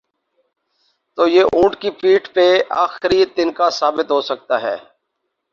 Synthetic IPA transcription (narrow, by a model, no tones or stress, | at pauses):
t̪oːjeːʔũːʈkipiːʈpea̰ːxɾit̪ɪnkasaːbɪt̪ɦoːsək̚t̪aːɦɛ̰ː